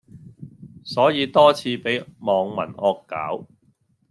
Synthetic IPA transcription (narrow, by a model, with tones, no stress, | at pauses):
sɔː˨˥jiː˨˧t̪ɔː˥t͡sʰiː˧pe˨˥jmɔː˨ŋmɐ̰˨˩nɔː˧kːa̰ː˨˥w